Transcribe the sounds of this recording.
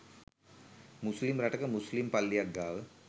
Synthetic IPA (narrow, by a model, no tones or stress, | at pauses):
muslimɾɐʈɐkːɐmuslimpɐlːijɐɡːaːʋɨ